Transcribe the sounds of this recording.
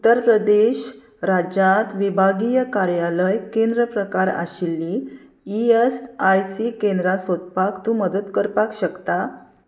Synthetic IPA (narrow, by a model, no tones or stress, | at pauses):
ut̪ːəɾpɾəd̪eɕ | ɾad͡ʑãt̪ʋibʱaɡijəkaɾjaləjkẽnd̪ɾəpɾəkaɾa̰ɕilːiː | iesajsikend̪ɾasot̪pakt̪ũːməd̪ət̪kəɾpakɕəkt̪a